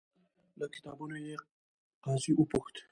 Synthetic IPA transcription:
ləkʰɪ̥t̪ɑ̰bunoje | qɑːziʔʊpʊxt̪

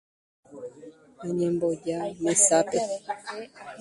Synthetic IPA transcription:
aɲɛmbɔɟamɛsapɛ

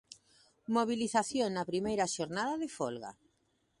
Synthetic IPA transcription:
moβ̞iliθaθjoŋnapɾimejɾaʃoɾnaðaðefolɣa̰

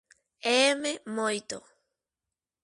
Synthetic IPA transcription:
ememojt̪o̰

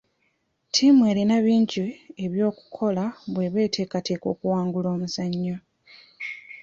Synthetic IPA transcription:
tʰimwe̞ːɾinaβiːɲɟieβjo̞ːku̥kʰo̞laβwe̞βe̞ːtʰe̞ːkateːko̞ːkuwaːŋɡulo̞ːmusaɲːo

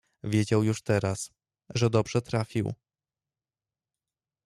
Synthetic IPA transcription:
vʲjed͡ʑawjuʂt̪ɛɾas | ʐɛd̪ɔbʐɛt̪ɾafʲḭw

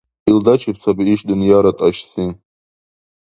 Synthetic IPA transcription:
ild̪at͡ʃʰip̚ʰt͡sʰabiiʃd̪unjaɾatʼaʃsi

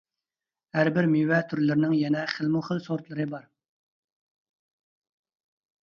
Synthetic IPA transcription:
hæɾbɪɾmiwɛt̪ʰyɾlɪɾɪnɪŋjɛnɛχəlˠmuχəlˠsoɾt̪lˠɨɾɨbɑɾ

